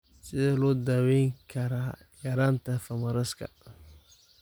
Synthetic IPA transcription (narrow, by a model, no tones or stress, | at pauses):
sɪðɛːlɔːd̪aːwɛjŋkʰɐɾaː | ɡɐɾant̪ʰɐfɐmɐɾɐskʰɐ̰